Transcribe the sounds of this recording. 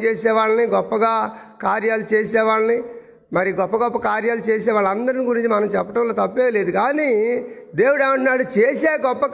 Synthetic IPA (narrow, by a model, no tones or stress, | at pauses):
t͡ʃeːsɛːʋaːɭɐniɡɔpːɐɡaːkaːɾjaːlut͡ʃeːsɛːʋaːɭɐni | mɐɾiɡɔpːɐɡɔpːɐkaːɾjaːlut͡ʃeːsɛːʋaːɭːɐɐnd̪ɐɾiniɡuɾiɲt͡ʃimɐnɐmt͡ʃɛpːɐʈɐmlo̞ːt̪ɐpːeːleːd̪ukaːni | d̪e̞ːwuɽaːɳʈunaːɽut͡ʃeːseːɡɔpːɐk